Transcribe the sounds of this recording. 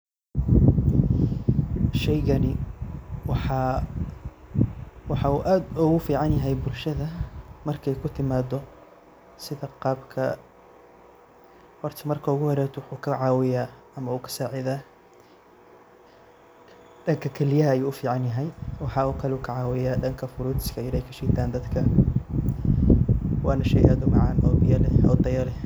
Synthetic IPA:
ʃɛjɣɐnɪ | wɑħɑː | wɑħɑʊʔaːd̪ʊɣʊfiːʕɑnjɐɦɛjbʊlʃɐðɐmɐrkʰɛjkʰʊt̪ʰɪmaːd̪ɔ | sɪðɐqɑːbkʰɐ | hɔrt̪ʰɪmɐrkʰɐʊɣʊhɔɾɛːt̪ʰwʊħuːkʰɐʕɑːwɪjaː | ɐmɐuːkʰɐ̥saːʕɪðaː | ɖɐŋkʰɐkʰɛlɪjɐɦɐɐjuːʊfiːʕɑnjɐɦɛjwɑħɑːuːkʰɐlɛuːkʰɐʕɑːwɪjaːɖɐŋkʰɐfʊɾuːt̪ɪ̥skʰɐjɪlaːhjkʰɐ̥ʃɛːt̪ʰaːnd̪ɐd̪kʰɐ | wɑːnɐʃɛ̰jʔaːd̪ʊmɑʕɑnʔɔːbɪjɐlɛɔd̪ɐjɐlɛ

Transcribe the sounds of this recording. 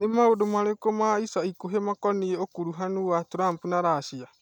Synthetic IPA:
nemaodomaɾekomaisaikoɦemakɔnieokuɾuɦanuatuɾaːmpunaɾaʃia

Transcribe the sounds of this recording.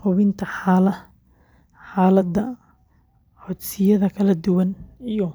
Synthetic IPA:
hʊβɪnt̪ʰɐħaːlɐ | ħaːlɐd̪ɐ | ħɔd̪sɪjɐðɐkʰɐlɐd̪ʊwɐnijɔ

